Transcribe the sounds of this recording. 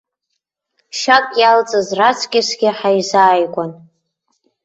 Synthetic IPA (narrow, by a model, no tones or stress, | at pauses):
ʃakʼjalt͡sʼɨzrat͡sʰkʲɪsɡʲɪħajzaːjkʷʼan